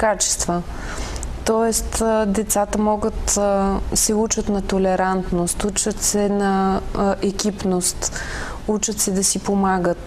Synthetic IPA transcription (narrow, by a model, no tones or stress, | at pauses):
kat͡ʃɛ̥st̪və | t̪ɔɛst̪d̪ɛt̪sat̪əmɔɡət̪ | sɛut͡ʃət̪nɐt̪olɛɾant̪nost̪ut͡ʃət̪sɛnɐʔɛkipnost̪ | ut͡ʃət̪sɛd̪ɐsipomaɡət̪